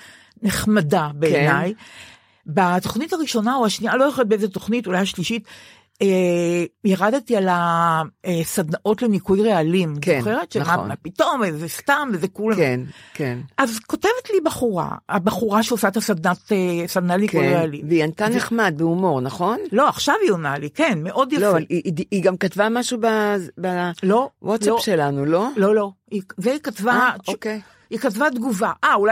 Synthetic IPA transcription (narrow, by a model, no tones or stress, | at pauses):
neχmadabeːnaj | bato̞χnitaʁiʃo̞nauaʃnialojoxolet̚beezeto̞χnitulajhaʃliʃit | e | jaʁadtiala | esad̪naʔo̞tlemikujʁealimzoχeʁetʃemamapito̞mvezestamvezekulnkenʔazko̞te̞vetlibaχuʁa̰a̰baχuʁaʃeosaet̪asad̪nat̪esad̪nalikujʁealiveiant̪aneχmad̪̚beumo̞ʁnaχo̞nlo̞aχʃavionalikenmeʔo̞d̪jaloavaliʔiɡamkat̪vamaʃubabalo̞wʔotsapʃe̞lanulo̞lolo̞ | izeikatvaʔokej | ikatvad̪ɡuvaʔaulaj